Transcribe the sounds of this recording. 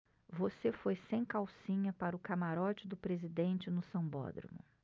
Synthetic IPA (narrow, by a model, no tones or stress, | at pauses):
vosefojsẽj̃kawsĩɲɐpaɾʊkamaɾɔt͡ʃɪd̪ʊpɾezid̪ẽnt͡ʃɪnʊsɐ̃bɔ̰d̪ɾḭmʊ̰